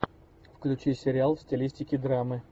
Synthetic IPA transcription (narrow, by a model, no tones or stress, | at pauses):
fklʲʉt͡ɕisʲɪɾʲɪalˠfsʲtʲɪlʲisʲtʲɪkʲɪd̪ɾamɨ